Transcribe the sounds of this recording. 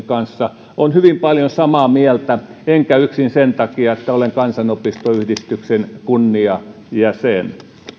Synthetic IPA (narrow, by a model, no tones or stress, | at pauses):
kɑnsːɑ | onhyʋimpɑljonsɑmɑːmiɛlt̪æeŋkæyksinsent̪ɑkiɑet̪ːæoleŋkɑnsɑnopist̪oyhdist̪yksenkunːiɑ | jæsen